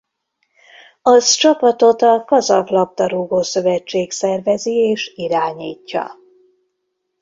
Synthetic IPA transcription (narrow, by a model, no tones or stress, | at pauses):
ɒzt͡ʃɒpɒt̪o̞t̪ɒkɒzɒvlɒp̚t̪ɒɾuːɡoːsø̞vɛt͡ʃːeːksɛrvɛzieːʃiɾaːɲiːcːɒ̰